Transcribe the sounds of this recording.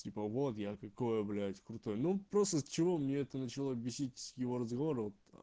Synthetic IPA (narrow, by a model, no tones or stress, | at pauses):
tʲipəvo̞t̪jakɐko̞jəblʲætʲkɾʊt̪o̞jnupɾost̪əst͡ɕɪvo̞mnʲeɛt̪ənət͡ɕɪlˠobʲɪsʲitʲjɪvo̞ɾəzɡɐvo̞ɾɨvot̪